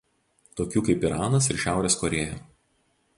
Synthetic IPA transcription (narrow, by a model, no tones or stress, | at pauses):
t̪oːkʲuːkɐɪpiɾɑːnɐsɪɾʃʲæˑʊɾʲeːskɔɾʲeːjoː